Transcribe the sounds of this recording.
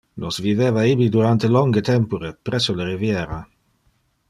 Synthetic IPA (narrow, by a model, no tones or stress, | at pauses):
nosviveːvaibid̪uɾant̪elɔŋɡet̪ɛmpuɾepɾɛsːoleɾivjeːɾa